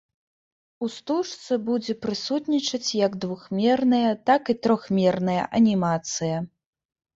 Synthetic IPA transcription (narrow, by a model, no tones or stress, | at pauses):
ust̪uʂt̪sɐbud͡zʲɛpɾɨsut̪nʲit͡ʂɐt͡sʲjɐɡd̪vuxmʲɛrnɐjɐt̪akit̪ɾɔxmʲɛrnɐjɐ̰ʔɐnʲimat̪sɨjɐ